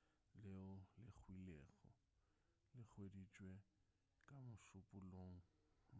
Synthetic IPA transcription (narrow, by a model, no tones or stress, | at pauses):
lɪʊlɪk͡xʰwileːɣɔ | lɪk͡xʰwedit͡ʃʼwe | kʼamʊʃʊpʼʊloŋ̩